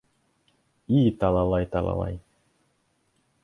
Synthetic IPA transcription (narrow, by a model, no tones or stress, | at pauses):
iːt̪ɑlˠɑlˠɑjt̪ɑlˠɑ̰lˠɑ̰j